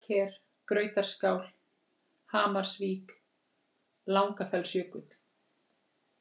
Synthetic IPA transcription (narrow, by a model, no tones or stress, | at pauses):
cʰɛːɾ̥ | kɾœːɥt̪aɾ̥skaːwl | haːmaɾ̥sviːk | lawŋkafɛlsjœːkʏt̪l̥